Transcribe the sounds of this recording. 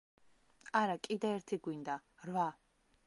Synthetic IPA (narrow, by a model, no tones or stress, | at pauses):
aɾakʼid̪ɛɛɾt̪ʰiɡwind̪aɾva